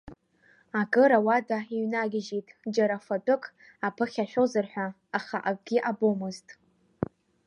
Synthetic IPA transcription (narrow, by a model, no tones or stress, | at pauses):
akʼɨɾawadaiɥnaɡʲɪʒitʼd͡ʒaɾafatʼɨkʰʼ | apʰɨχʲaʃᶣozɨrħʷᶣaː | χaʔakʼɡʲiʔabomɨztʼ